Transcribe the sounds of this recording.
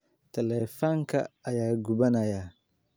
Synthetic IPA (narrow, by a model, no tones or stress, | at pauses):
tʰɛlɛfaŋkʰa̰ajaːɡubanaja